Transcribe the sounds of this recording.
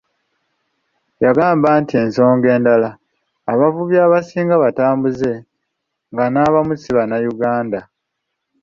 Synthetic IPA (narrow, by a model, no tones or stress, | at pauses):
jaɡaːmbaːntie̞ːnso̞ːŋɡe̞ːndalaː | βavuβjaːβasiːŋɡaβataːmbuze̞ | ŋɡanaβamusiβanajuɡaːnda